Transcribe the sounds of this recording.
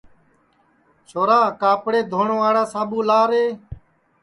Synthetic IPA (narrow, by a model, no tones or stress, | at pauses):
soːɾaːkaːpɽeːd̪ʱoːɳõːaːɽaːsaːɓũːlaːɾeː